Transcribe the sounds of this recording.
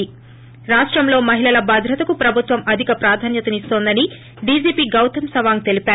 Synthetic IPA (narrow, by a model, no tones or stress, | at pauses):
i | ɾaːʂʈɾɐmlo̞ːmɐɦilɐlɐbʱɐd̪ʱɾɐt̪ɐkupɾɐbʱut̪ʋɐmʔɐd̪ʱikɐpɾaːd̪ʱaːnjɐt̪ɐnist̪oːnd̪ɐni | ɖid͡ʒiːpiːɡɐwt̪ʰɐmsɐʋaːŋt̪e̞lipaː